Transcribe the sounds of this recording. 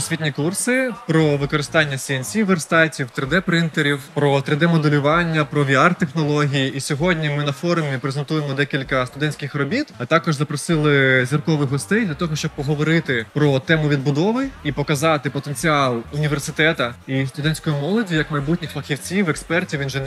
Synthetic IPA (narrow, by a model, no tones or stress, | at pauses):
sʲʋʲitʲnʲikursɪpɾɔʋɪkɔɾɪst̪ɑnʲːɐsʲiɛnsʲiʋɛrst̪ɑtʲiwt̪ɾɪd̪ɛpɾɪnt̪eɾʲiwpɾɔt̪ɾɪd̪ɛmɔd̪elʲʊʋɑnʲːɐpɾɔʋʲiɑrt̪exnɔlˠɔɦʲijiʔisʲɔɦɔdʲnʲimɪnɐfɔrmʲipɾezent̪ujemɔd̪ɛkʲilʲkɐst̪ʊd̪ɛnʲsʲkʲɪxrɔbʲit̪ɐt̪ɑkɔʒzɐpɾɔsɪlˠɪzʲʋʲirkɔʋɪxɦɔst̪ɛjd̪lʲɐt̪ɔɦɔʃt͡ʃɔb̚pɔɦɔʋɔɾɪt̪ɪpɾɔt̪ɛmʊʋʲid̪̚bʊd̪ɔʋɪipɔkɐzɑt̪ɪpɔt̪e̞nʲt͡sʲiɑlˠʊnʲiʋʲe̞rsɪt̪ɛt̪ɐist̪ʊd̪ɛnʲsʲkɔjimɔlˠɔdʲijɐkmɐjbutʲnʲɪxfɐxʲiwt͡sʲiwɛkspɛrtʲiwinʒɛn